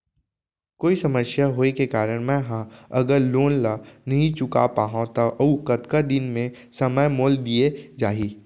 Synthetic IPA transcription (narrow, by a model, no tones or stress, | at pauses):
koːisɐməsjaɦoːekekaːɾəɽ̃mɛ̃ɦãɐɡəɾloːnlanɐɦĩt͡ʃʊka̰paːɦãt̪ɐʔɐukɐt̪kad̪ɪnmẽ | sɐməjmoːld̪ied͡ʒaːɦi